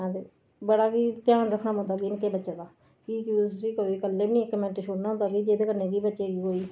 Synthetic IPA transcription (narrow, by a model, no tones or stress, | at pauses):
ãːd̪eː | bəɽaːkiːt̪jaːnɾəkʰnaːbõnd̪aːɡiːɪnkeːbətːʃeːd̪aː | kiːkisiːkoːiːkəlːeːbnĩːekːəmɛ̃ːɳʈiʃʰoːɽnãːõnd̪aːɡiːd͡ʒeːd̪eːkəɾnẽːɡiːbətːʃeːɡiːkoːiː